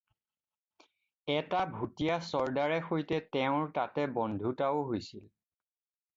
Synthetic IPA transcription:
ɛtabʱutijasɔɹdaɹɛxojtɛtɛʊ̃ɹtatɛbɔndʱutaʊɦojsil

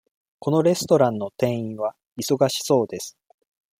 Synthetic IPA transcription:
ko̞no̞ɾe̞sɨ̥t̪o̞ɾãnːo̞t̪ẽ̞ɰ̃ĩɰ̃βa | iso̞ɡaɕi̥so̞ːd̪e̞sɨ̥

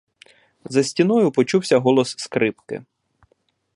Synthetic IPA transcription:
zɐsʲtʲinɔjʊpɔt͡ʃuwsʲɐɦɔlˠɔsːkɾɪpkɪ̰

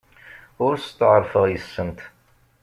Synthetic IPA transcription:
ʊɾst̪ːəʕəɾˤfəʁjəsːənt̪

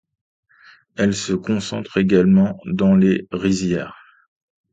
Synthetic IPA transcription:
ɛlsəkɔ̃sɑ̃t̪χeɡalmɑ̃d̪ɑ̃leʁizjɛːʁ

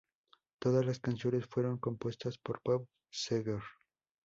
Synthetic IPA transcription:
t̪o̞ðazlaskansjo̞ne̞sfwe̞ɾo̞ŋko̞mpwe̞st̪aspoɾpop | seɣeɾ

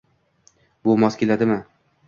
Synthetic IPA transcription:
bolˠmɒskʲelad̪ɪmɪ

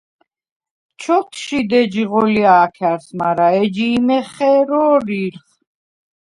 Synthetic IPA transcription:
t͡ʃʰɔt̪ʰʃid̪ɛd͡ʒiʁɔliaːkʰaɾsmaɾaɛd͡ʒiːmɛχɛɾɔːɾiɾχ

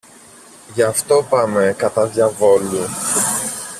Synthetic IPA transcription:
ʝɐft̪o̞pɐmekɐt̪ɐðʝɐvo̞lu

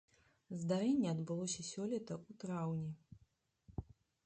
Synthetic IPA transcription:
zd̪aɾɛnʲːɛɐd̪bɨlˠɔsʲɐsʲɔlʲɛt̪ɐut̪ɾawnʲɛ

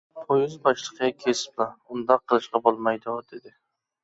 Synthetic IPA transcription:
pʰojɪzbɑʃlˠɨqʰɨjakʲʰesplˠɑʊnd̪ɑqʰːɨlˠɨʃqɑbolˠmajd̪ʊd̪e̞d̪ɪ

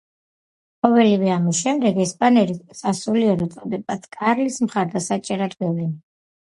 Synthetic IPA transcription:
qʼɔvɛlivɛamisʃɛmd̪ɛɡɛspʼanɛɾisasuliɔɾɔt̪sʼɔd̪ɛbat̪sʰkʼaɾlismχaɾd̪asat͡ʃʼɛɾad̪bɛvlin

